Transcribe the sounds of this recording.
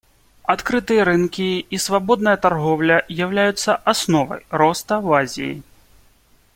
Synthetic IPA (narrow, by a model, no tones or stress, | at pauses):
at̪kɾɨt̪ɨjɐɾɨnkʲiːsvabɔd̪̚nɐjɐt̪arɣɔwlʲɐzjawlʲajut̪sːɐʔasnɔvɐ̰jɾɔst̪ɐvazʲḭjḭ